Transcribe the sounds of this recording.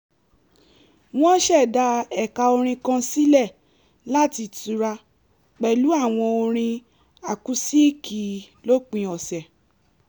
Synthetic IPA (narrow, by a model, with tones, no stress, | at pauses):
w̃ɔ̃˦ʃɛ˦˨da˧ɛ˨ka˧o˧ɾ̃ĩ˧kã˧si˦lɛ˦˨ | la˦ti˧tu˨˧ɾa˧ | k͡pɛ˨lu˨˦a˦˨w̃ɔ̃˧o˧ɾ̃ĩ˧ | a˨ku˨˦si˦˨ki˨ | lo˦k͡pĩ˧ɔ˨sɛ˨